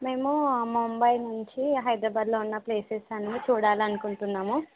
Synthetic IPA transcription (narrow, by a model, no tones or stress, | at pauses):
me̞ːmumuːmbɐjnuɲt͡ʃiɦɐjd̪ɾaːbaːd̪loːunːɐple̞ːsesɐnit͡ʃuːɽaːliɐnukuɳʈunːaːmu